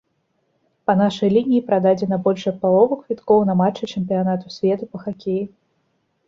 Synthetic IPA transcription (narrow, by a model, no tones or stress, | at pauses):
pɐn̪aʂɐjlʲinʲijipɾad̪ad͡zʲɛnɐbɔlʲʂɐt̪̚palˠɔvɨkvʲit̪kɔwnɐmat͡ʂɛt͡ʂɛmʲpʲijanat̪usʲvʲɛt̪upɐxakʲeji